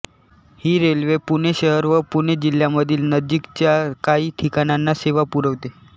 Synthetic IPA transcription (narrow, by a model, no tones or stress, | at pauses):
hiːɾelʋepuɽ̃eɕəɦəɾʋəpuɽ̃ed͡ʑil̤ːjaməd̪ʱiːlnəd͡ʑikt͡ɕjakaiːʈ̪ʰikañanːaseʋapuɾəʋt̪e